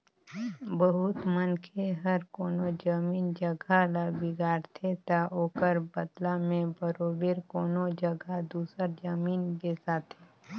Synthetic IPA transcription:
bəɦʊt̪mənkʰeɦəɾkoːnod͡ʒəmiːnd͡ʒəɡʱalabiɡaːɾt̪ʰet̪aoːkəɾbəd̪lamẽbəɾoːbeːɾkoːnod͡ʒəɡʱad̪uːsəɾd͡ʒəmiːnkesaːt̪ʰɦeː

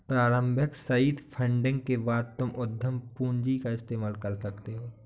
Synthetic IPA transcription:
pɾaːɾə̃mbʱəksɐiːt̪pʰə̃ɳɖɪ̃ŋɡkebaːd̪̚t̪ʊmʔʊd̪ʱjəmpuːnd͡ʒikaɪst̪eːmaːlkɐɾsɐkt̪eɦoː

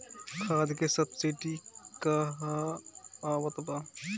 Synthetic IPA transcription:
kʰaːd̪kesɐbsiʈikaɦaː | wət̪ba

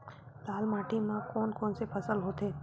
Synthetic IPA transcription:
laːlmaːʈʰimãkɔːnkɔːnsepʰɐsəlɦoːt̪eː

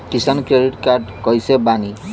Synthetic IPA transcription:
kisankɹeɖiʈkaɹɖkɔjsɛbani

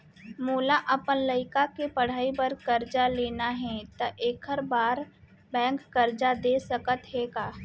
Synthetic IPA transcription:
moːlaʔɐpənləɪkakepəɽ̤aːibəɾkəɾd͡ʒaleːnaɦɛ̃t̪ɐʔeːkʰəɾbaːɾ | bɛ̃ːŋkːəɾd͡ʒad̪eːsəkət̪ɦɛːɡaː

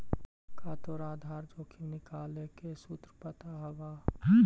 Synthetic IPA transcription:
kʰaːt̪oɾaːd̪ʱaːɾd͡ʒoːkʰinɪkaːlekesuːt̪ɾəpət̪aɦɐʋaː

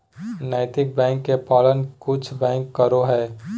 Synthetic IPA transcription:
naːɪt̪ɪk̚bɛ̃ːŋkːepaːlənkʊt͡ʃʰbɛ̃ːŋkːəɾoɦɛː

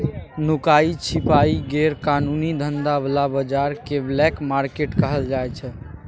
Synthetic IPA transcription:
nukait͡ʃʰipaiɡeɾkanunid̪ʱənd̪ablabəd͡ʒaɾkeblɛkmaɾkeʈkəɦəld͡ʒajt͡ʃʰɛ

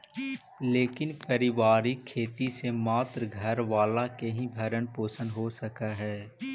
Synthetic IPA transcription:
leːkɪnpəɾɪʋaːɾikʰːeːt̪isemaːt̪ɾəɡʱɐɾʋaːlakeɦĩbʱɐɾənpoːsə̃nd̪ɦosəkaɦɛː

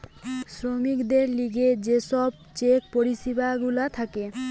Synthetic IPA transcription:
sɾomikd̪eɾliɡed͡ʑeʃɔb̚ | t͡ɕek̚poɾiʃibaɡulat̪ʰake

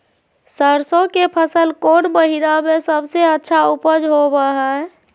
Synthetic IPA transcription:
səɾsõkepʰəsəlkonməɦinamesəbseətːʃʰaupəd͡ʒɦobəɦə

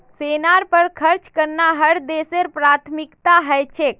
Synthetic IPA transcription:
senaɾpəɾkʰəɾt͡ʃkəɾnaɦəɽd̪eseɾpɾat̪ʰmikt̪aɦəjt͡ʃʰek̚

